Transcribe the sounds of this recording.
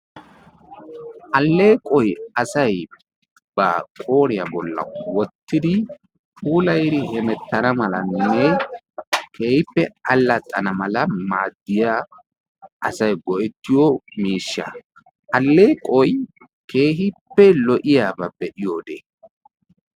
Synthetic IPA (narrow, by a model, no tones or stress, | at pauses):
ʔɐlːe̞ːkʼɔjɐsɐj | b̥ɐkʼo̞ːɾɪjabɔlːɐ̰wɔt̪ːɪd̪ɪ | puːlɐjɾɪhɛmɛt̪ːɐnɐmɐlɐnːɛ | kʰe̞ːhɪpːɛɐlːɐt̪ʼːɐnɐmɐlɐmaːd̪ːɪja | ʔɐsɐjɡɔʔɛt̪ːɪjɔmiːʃːɐ̰ | ʔɐlːe̞ːkʼɔj | ke̞ːɦɪpːɛlɔʔɪjaːbɐbɛʔɪjoːd̪eː